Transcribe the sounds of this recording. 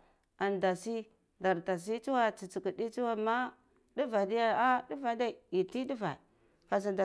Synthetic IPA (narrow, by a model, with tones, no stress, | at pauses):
a˨nda˨si˦ | da˨ɾta˨s̬i˦t͡ʃu˦wa˦t͡si˨t͡si˨ki˨di˦t͡ʃu˦wa˦ma˦ | du˦va˨di˦ja˦a˦du˦va˨da˦i˨i˨ti˦du˦va̰˨ | ka˨s̬a˨da˨